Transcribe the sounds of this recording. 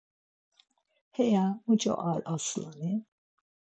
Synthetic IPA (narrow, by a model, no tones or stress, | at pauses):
hɛjamut͡ʃa̰ʔalʔasulani